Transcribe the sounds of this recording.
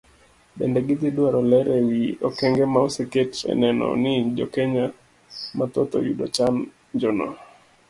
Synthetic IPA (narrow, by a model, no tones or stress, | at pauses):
bɛndɛɡɪt̪ɪdwaɾɔlɛɾɛjiɔkɛŋɡɛmaɔsɛketɛ̰nɛnɔ̰nɪd͡ʒɔkɛɲa | mat̪ɔt̪ɔ̰judɔ̰t͡ʃan | d͡ʒɔnɔ̰